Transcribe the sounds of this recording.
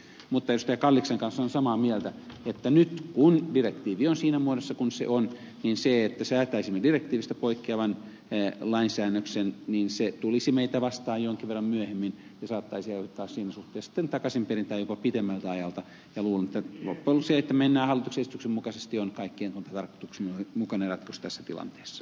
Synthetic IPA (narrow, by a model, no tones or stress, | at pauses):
mut̪ːɑeust̪ɑjɑkɑlːikseŋkɑnsːonsɑmɑːmielt̪æet̪ːænyt̪kundirekt̪iːʋionsiːnæmuoɾesːɑkunsḛʔon | ninseet̪ːæsæːt̪æisimːedirek̚t̪iːʋist̪æ̥poikːeɑʋɑn | lɑinsæːnːøksenniːnset̪ulisimeit̪æʋɑst̪ɑːjjoŋkiʋerːɑmmyøhemːin | jɑsɑːt̪ːɑisiɑoht̪ːˑɑːssiːnæsuht̪ˑeːsi̥t̪ːent̪ɑkɑsimperint̪æːjopɑpit̪emːælt̪æɑjɑlt̪ɑ | jɑluːlenet̪ːælo̰pːolseet̪ːæmenːæːhɑlːˑit̪uksesi̥t̪yksemmukɑsest̪ionkɑikːieŋkont̪ɑt̪ɑrko̥t̪uksmomukɑnerɑt̪kust̪æsːæt̪ilɑ̰nt̪e̥ːsːɑ̥